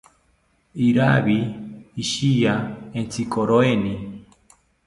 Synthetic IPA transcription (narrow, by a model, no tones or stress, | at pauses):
iɾaβiːʃijaent͡sikoɾoeni